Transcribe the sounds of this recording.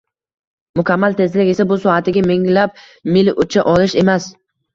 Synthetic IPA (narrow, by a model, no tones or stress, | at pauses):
mʊkʲʰamːalt̪ʰe̞zlɪkʲe̞sabʊsɒat̪ʰɪɡʲameŋlap̚ | mɪlʊt͡ʃʰaʔɒlɪʃe̞mas